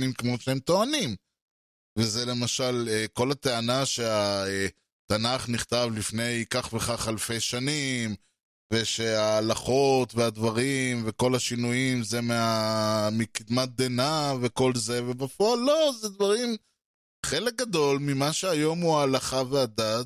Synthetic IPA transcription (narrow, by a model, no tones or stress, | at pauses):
nimkemo̞ʃeemt̪o̞anim | vezele̞maʃaleko̞lat̪e̞anaʃe̞ae | t̪anaχniχt̪avlifne̞jkaχve̞χaχalfejʃanim | ve̞ʃeaːlaχo̞t̪vead̪vaʁimve̞ko̞laʃinuimzemeamikid̪mat̪̚d̪enave̞ko̞lze̞vebafoalːo̞zed̪vaʁim | χe̞lek̚ɡad̪o̞lmimaʃeajo̞muaːlaχavead̪at̪̚